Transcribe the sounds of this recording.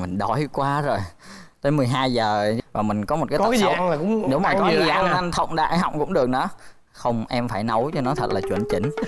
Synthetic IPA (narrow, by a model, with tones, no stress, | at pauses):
mï˨˩ŋ̟ɗɔ˨˩jkwaː˧zo˨˩jt̪əː˨˦jmɨ˨˩jɦaː˧jzəː˨˩vaː˨˩mï˨˩ŋ̟kɔ˨˦m˨˩t̚kaː˨˦ɔ˦˧˦ka˨˦za˧laː˨˩kʊ̰˧˥ŋ͡mɗo˨˦ŋ͡mmaː˨˩kɔ˨˦˨zi˨˩ʔa˧ŋʔa˧ŋt̪ʰə̰˧˨wŋ͡mɗa̰ː˧˨ɦɔ̰˨˧˨wŋ͡mkʊ̰˧˥ŋ͡mɗɨ˨˩ək̚nɔ̰ː˧˥˦ | xə˧wŋ͡mʔɛ˧mfaː˧˩jnə˨˦wt͡ɕɔ˧nɔ˨˦t̪ʰə˨˩t̚laː˨˩t͡ɕwḭ˧˩ənt͡ɕï˧˦ŋ̟